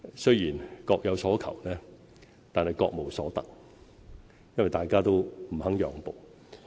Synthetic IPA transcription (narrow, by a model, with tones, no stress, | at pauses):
sɵ˥ɥjiː˨˩nkɔː˧k̚jɐ˨˧wsɔː˨˥kʰɐ̰˨˩wnɛː˥ | t̪aː˨nhɐ˨jkɔː˧k̚mo˨˩wsɔː˨˥t̪ɐ˨k̚ | jɐ˥nwɐ˨˩jt̪aː˨jkaː˥t̪o˥wm̩˨˩hɐ˨˥ŋjœː˨˥ŋpo˨w